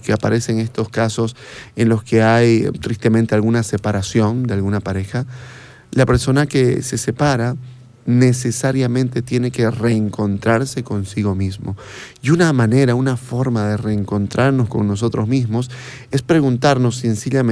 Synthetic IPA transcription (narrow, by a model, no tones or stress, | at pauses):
keapaɾe̞se̞ŋe̞st̪o̞skaso̞s | enlo̞ske̞ajt̪ɾist̪e̞ment̪e̞alɣunase̞paɾasjo̞nd̪ealɣunapaɾe̞xa | lape̞ɾso̞nake̞̰se̞se̞paɾa | ne̞se̞saɾjamẽnt̪e̞t̪je̞ne̞ke̞re̞ːŋko̞nt̪ɾaɾse̞ko̞nsiɣo̞mizmo̞ | iunamane̞ɾaunafo̞ɾmaðe̞re̞ːŋko̞nt̪ɾʔaɾno̞sko̞̰ŋno̞s̬o̞t̪ɾozmizmo̞s | e̞spɾe̞ɣunt̪aɾno̞sːensiʎam